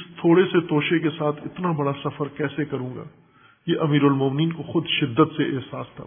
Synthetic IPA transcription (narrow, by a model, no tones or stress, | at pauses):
ɪst̪ʰoːɽeset̪oːʃekesaːt̪ʰɪt̪nabɐɽasɐfəɾkɛːsekɐɾũːŋɡa̰ː | jeʔɐmiːɾʊlmoːmniːnkoxʊd̪ʃɪd̪ːət̪seʔeɦsaːst̪ʰa̰